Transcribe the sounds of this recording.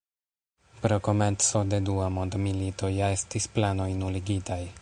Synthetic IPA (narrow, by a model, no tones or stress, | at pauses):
pɾo̞ko̞me̞nso̞de̞duamo̞nd̪milito̞jae̞stisplano̞jnuliɡitaj